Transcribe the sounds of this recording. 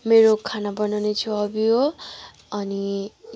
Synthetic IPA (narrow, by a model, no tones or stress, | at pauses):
meɾokʰanabʌnawnet͡sʰuʌbiɦo | ʌni